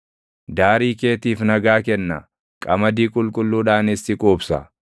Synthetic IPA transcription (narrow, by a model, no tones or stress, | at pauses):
d̪aːɾiːke̞ːt̪iːfnɐɡaːkɛnːɐ̰ | kʼɐmɐd̪iːkʼʊlkʼʊlːuːᶑaːnɪst̪ɪkʼuːbsɐ̰